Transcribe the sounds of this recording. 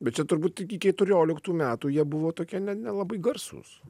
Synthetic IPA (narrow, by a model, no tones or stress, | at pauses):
bʲɛt̪̚t͡ʃʲɛt̪ʊɾbuːt̪ɪkʲɪkʲɛt̪ʊɾʲoːlʲɪkt̪uːmʲæːt̪uːjiɛbʊʋoːt̪oːkʲiɛnʲɛnʲɛlˠɐbɐɪɡɐrsṵːs